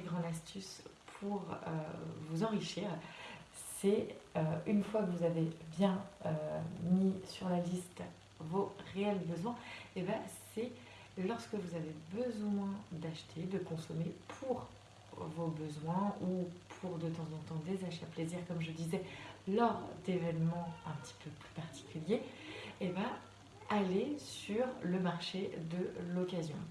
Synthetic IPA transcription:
ɡʁɑ̃d̪ast̪ʰyspʰuʁø̰vuzɑ̃ʁiʃiːʁ | sɛøynfwakəvuzavebjɛ̃ømisyʁlalist̪ | voʁeɛlbəzwɛ̃ebãsɛ | lɔʁskəvuzavebəzwɛ̃d̪aʃt̪ʰed̪əkɔ̃sɔmepʰuʁ | vobəzwɛ̃upʰuʁd̪ət̪ɑ̃zɑ̃t̪ɑ̃d̪ezaʃapleziʁkɔmʒəd̪izɛlɔʁd̪evɛnmɑ̃ɛ̃pət̪ʰi̥pʰøply̥paʁt̪i̥kʲyljeː | baː | lesyʁləmaʁʃed̪əlɔkazjɔ̃

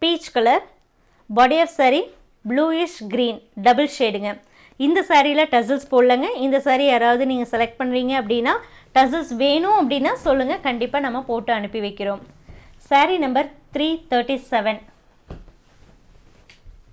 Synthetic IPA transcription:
piːt͡ʃkɐlɐɾ | baːɽiɐfsɐɾi | bluːɪʂɡɾiːnɖɐbɐlseːɽɯŋɡɐ | ɪnd̪ɐsaːɾijlɐʈɐs̬ɐlspoːɽlɐŋɡɐɪnd̪ɐsaːɾiaːɾaːʋɐðɯniːŋɡɐsɛlɛk̚ʈ̚pɐɳːɯɾiːŋɡɐɐpːɐɽɪnːaː | ʈɐs̬ɐlsʋeːɳʊ̃ɐp̬ːɐɽɪnːaːsɔlːɯŋɡɐkɐɳɖɪpːaːnɐmːɐpoːʈːɯɐɳɯpːɪʋɐɪkːɪɾõːmsaːɾinɐmbɐɾt̪ɾiːt̪ʰɐːɾʈisɛʋɛn

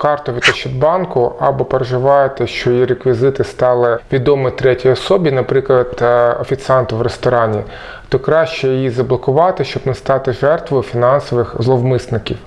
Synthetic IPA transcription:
kɑrt̪ɔʋʲid̪ɐt͡ʃɪd̪bɑnkʊɐ̰bɔpeɾeʒɪʋɑjet̪ɛʃt͡ʃɔjiɾekʋʲizɪt̪ɪst̪ɑlˠɪʋʲid̪ɔmɪt̪ɾɛtʲijɔsɔbʲinɐpɾɪklˠɐd̪̥ɔfʲit̪sɑnt̪ʊʋrest̪ɔɾɑnʲi | t̪ɔkɾɑʃt͡ʃɛjɪjizɐblˠɔkʊʋɑt̪ɪʃt͡ʃɔbnɐst̪ɑt̪ɪʐɛrt̪ʋɔjʊfʲinɑnsɔʋɪxzlˠɔwmɪsnɪkʲiw

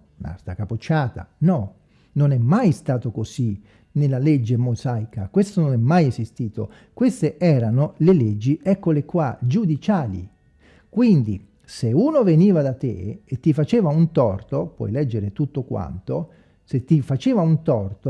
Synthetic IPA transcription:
na̰st̪akapot͡ʃːaːt̪a̰nɔ | nonɛmːajst̪aːt̪okosi | nelːaled͡ʒːemozajkakwest̪ononɛmːajɛsist̪iːt̪o | kwest̪eʔɛːɾanoleled͡ʒːiʔɛkːolekwad͡ʒud̪it͡ʃaːlḭ | kwind̪i | seuːnoveniːvad̪at̪ḛet̪ːifat͡ʃeːvaunt̪ɔrt̪opwɔ̰jlɛd͡ʒːeɾet̪ut̪ːokwa̰nt̪o | set̪ːifat͡ʃeːvaunt̪ɔrt̪o

